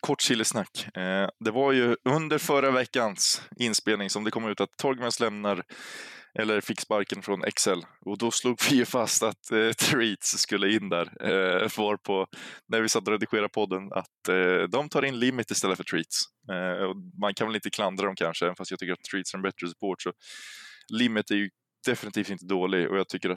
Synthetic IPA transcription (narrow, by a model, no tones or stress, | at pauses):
kʰɔʈːʂiːlːɪsnakːd̪ɛvaɾjɵɵnd̪əɾfœɾavɛkːansɪnspeːlnɪŋsɔmd̪ɛkʰɔmːʉ̟ːt̪at̪ʰːɔɾɡmɛnslɛmnaɾ | ʔɛlːəɾfɪksbaɾkənfɾɔnʔɛ̰ksɛlːɔd̪ɔsluːɡvɪjɵfast̪at̪ʰɾiːt̪sːkɵlːəɪnːd̪æɾvɑːɾpʰɔnæɾvɪsat̪ːɔɾɛd̪ɪɧeːɾapʰɔd̪ːəna̰t̪d̪ɔmt̪ʰɑːɾɪnlɪmːɪt̪ːɪst̪ɛlːəfœʈʰɾiːt̪s | ɔmankʰanvɛlɪnt̪ːəkʰland̪ɾaɾɔmkʰanʂəɛnfast̪jɑɡt̪ʰʏkːɾat̪ʰːɾiːt̪sæɾɛnbɛt̪ɾəsɵ̥pʰoːʈsɔ | lɪmːɪt̪æɾjɵ | d̪̥ɛfɪnɪt̪ʰiːft̪ɪnt̪əd̪oːlɪɡɔ̰jɑːɡ̚t̪ʰʏkːəɾat̪